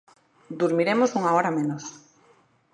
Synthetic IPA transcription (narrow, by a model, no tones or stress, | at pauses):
d̪uɾmiɾemosuŋaɔɾamenos